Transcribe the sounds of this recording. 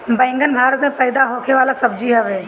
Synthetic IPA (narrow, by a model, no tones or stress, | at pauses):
bə̃ɪ̃ŋɡənbʱaːɾət̪mẽpəɪd̪aɦokʰeʋaːlasəb̚d͡ʒiɦəʋeː